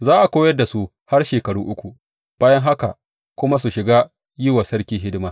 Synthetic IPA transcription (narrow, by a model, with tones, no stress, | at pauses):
zaː˦ʔa˨kʷoː˦jɐ˦rda˨su˦ | ha˦rʃeː˨kɐ˨ɽṵː˦ʔʊ˦kʷu˨ | b̥aː˦jɐ˦ŋɦa˦ka˨ | kʷʊ˦ma˦su˨ʃɪ˨ɡaː˦ | jɪ˦waː˨sɐ˦ɽkʲiː˦ɦɪ˦dɪ˦maː˨